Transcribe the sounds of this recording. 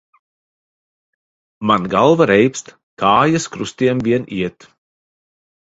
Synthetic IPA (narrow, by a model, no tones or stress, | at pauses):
manɡalˠvaɾɛjpst̪ | kaːjaskɾust̪iɛmvʲiɛniɛt̪